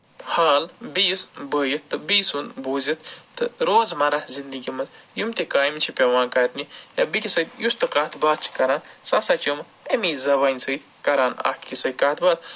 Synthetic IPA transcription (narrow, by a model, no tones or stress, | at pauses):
haːlbiːsbəːjɐt̪ːɨbiːsunbuːzit̪̚ʰt̪ɨɾoːzmɐɾazind̪ɨɡimɐt͡sjumt̪ekaːjimt͡ʃʰipʲeʋãːnkɐɾʲnijɐbikʲisɐt̪ʲjust̪ɨkaːt̪ʰbaːt̪̚t͡ʃʰi̥kɐɾaːnsasaːt͡ʃʰom | emiːzɐbaːnʲsət̪ʲ | kɐɾaːna̰hkisɐkaːt̪ʰbaːt̪̚